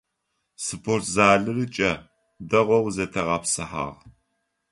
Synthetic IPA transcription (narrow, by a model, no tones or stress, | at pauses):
sɨpʰortʰzaːɮɨrɨt͡ʃʼɐ | dɐʁʷɔwzɐtʰɐʁɐːpsɨħa̰ːʁ